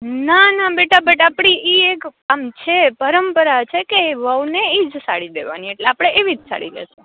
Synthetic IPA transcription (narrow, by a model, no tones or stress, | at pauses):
nanabeʈabeʈapɽ̃iʔiekːamt͡ʃʰepəɾəmpəɾat͡ʃʰekeʋəwneid͡ʒsa̰ɽid̪ḛʋa̰nieʈleapɽ̃eʔeʋid͡ʒsa̰ɽḭlḛʃũ